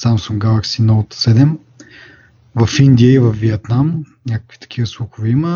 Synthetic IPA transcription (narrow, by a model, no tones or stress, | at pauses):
samsuŋɡɡalˠaksinɔlˠt̪sɛd̪ɛm | vɐfind̪ʲijəivɐfviɛt̪nam | nʲakə̥kvit̪ɐ̥k̟ʰʲivəslˠuxʊvɛimə